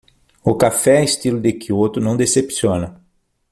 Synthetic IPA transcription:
ʊkafɛest̪ilʊd̪ekiot̪ʊnɐ̃w̃d̪esepsiõnɐ

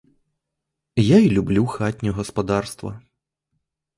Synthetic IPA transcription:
jailʲublʲuxat̪ʲnʲɔɣɐspad̪arst̪vɐ̰

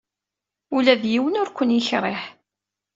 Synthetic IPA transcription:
ulæðjiwənʊɾkʷːənjiçɾˤeħ

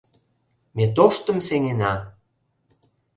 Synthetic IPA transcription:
met̪oʃt̪ə̆mseŋenɑ

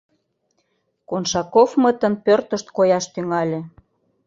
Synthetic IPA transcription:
konʃɑkofmət̪ə̆npørt̪ə̆ʃt̪̚kojɑʃt̪yŋɑlʲĕ

